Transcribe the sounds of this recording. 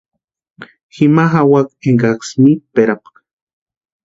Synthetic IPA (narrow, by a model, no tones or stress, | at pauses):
ximaɦawakeŋɡaksmipeɾapḁk